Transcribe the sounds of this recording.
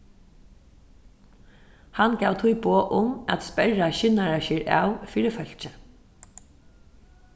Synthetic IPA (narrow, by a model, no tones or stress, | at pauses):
hanɡaːwt̪ʰʊjboːʔʊmat̪spɛɹaɕɪnaɹaɕɪːɹʔa̰ːwfiːɾɪfœl̥t͡ʃə